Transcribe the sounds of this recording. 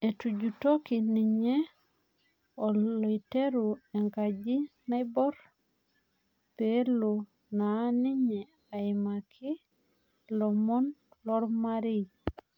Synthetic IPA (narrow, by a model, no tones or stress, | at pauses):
etuɟutokiniɲe | olojteɾueŋkaɟinajboɾ | pelu | naniɲe | aimakʰi | lomɔnlɔɾmaɾi